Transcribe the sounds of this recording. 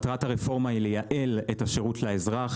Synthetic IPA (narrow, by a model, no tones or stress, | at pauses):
tʁataʁefo̞ʁmailejaʔe̞letaʃeʁutlaezʁaχ